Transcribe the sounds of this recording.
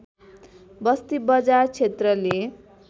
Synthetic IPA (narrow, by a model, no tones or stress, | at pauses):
bʌst̪ibʌd͡zart͡sʰet̪rʌle